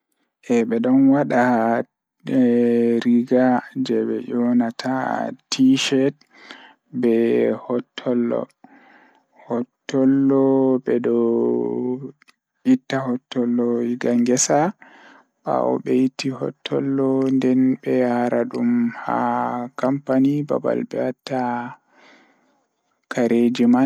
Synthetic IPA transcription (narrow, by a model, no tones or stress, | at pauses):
ʔɛɓɛɗɔnwaɗa | ɾiɡad͡ʒɛɓɛ̰jɔnatʰa̰tʰiʃɛt̚ | bɛhɔtʰːɔlːɔ̰ | hɔtːɔlːɔbɛdɔ | itːahɔtːɔlːɔiɡaŋɡɛsa | ɓa̰ɔ̰ɓɛjitːihɔ̰tʰːɔlːɔndɛnbɛjaɾaɗumha̰kampaniba̰ba̰lbɛatːa | kʰaɾʔed͡ʒima